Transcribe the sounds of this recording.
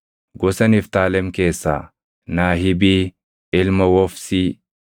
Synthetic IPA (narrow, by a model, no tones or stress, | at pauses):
ɡɔsɐnɪft̪aːlɛmke̞ːsːa̰ː | naːɦɪbiː | ɪlmɐwɔfsiː